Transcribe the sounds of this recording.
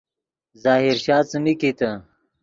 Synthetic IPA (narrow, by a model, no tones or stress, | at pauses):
zaːɦiɾɕaːt͡səmikit̪ə